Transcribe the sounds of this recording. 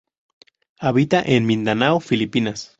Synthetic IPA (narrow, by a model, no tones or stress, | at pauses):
aβit̪aʔenmĩnd̪anawfilipinas